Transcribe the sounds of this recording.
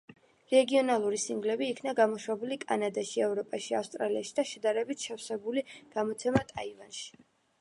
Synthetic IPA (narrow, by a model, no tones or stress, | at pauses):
ɾɛɡiɔnalˠuɾisiŋɡlɛbiːkʰnaɡamɔʃwɛbulikʼa̰nad̪aʃiɛvɾɔpʼaʃiafst̪ʼɾaliaʃid̪aʃɛd̪aɾɛbit̪ʰʃɛfsɛbuliɡ̥amɔt̪sʰɛmat̪ʼaivanʃi̥